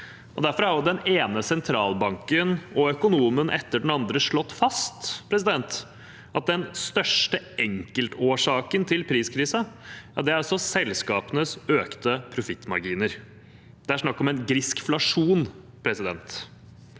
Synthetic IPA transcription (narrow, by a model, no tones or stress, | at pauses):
ʔɔd̪æɾfɔɾɑɾjʊd̪ɛneːnəsɛnt̪ʰɾɑːlbɑŋkənɔœkʊnuːmənʔɛ̰t̪ːəɖɳn̩ɑnd̪ɾəʂɭɔt̪ːfɑst̪pʰɾɛs̬ɪd̪ɛnt̪ | ʔɑt̪̚d̪ɛnst̪œʂʈəɛŋkəlt̪oːʂɑːkənt̪ʰɪlpʰɾiːskʰɾiːsəɑd̪ɛæɾɔsɔsɛlskɑːpənəsøːkt̪əpʰɾʊfɪt̪ːmɑ̰ɾɡiːnəɾ | d̪ɛæʂnɑkːɔmɛnɡɾɪskflɑʂuːn | pʰɾɛsɪd̪ɛnt̪